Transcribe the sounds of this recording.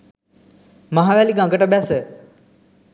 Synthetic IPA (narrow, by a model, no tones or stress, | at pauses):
maɦaʋæliɡãŋɡəʈəbæsə